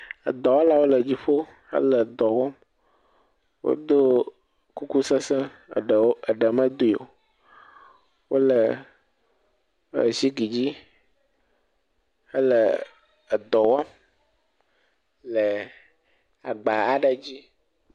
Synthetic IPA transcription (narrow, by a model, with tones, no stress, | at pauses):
ə̰˨d̪ɔ˨wa˦la˨wo˦lə˨d͡ʑi˦ɸo˦ | ə̰˦lə˨d̪ɔ˨wɔ˦m | wʔo̰˦d̪o˦ | ku˦ku˦sə˦sə˦ | ɖə˨ɖə˨mə̃˦d̪o˦i˨o̰˨ | wo˦lə˨ | ə̰˨si˦ɡi˨d͡ʑi˦ | ə˦lə˨ | d̪ɔ˨wa˦m | lə˨ | a˨ɡ͡ba˨a˨ɖə˦d͡ʑi˦